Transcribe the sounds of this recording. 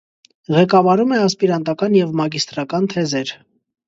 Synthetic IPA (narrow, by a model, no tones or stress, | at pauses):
ʁɛkɑvɑɾumɛɑspiɾɑnt̪ɑkɑnjɛvmɑɡist̪ɾɑkɑnt̪ʰɛzɛɾ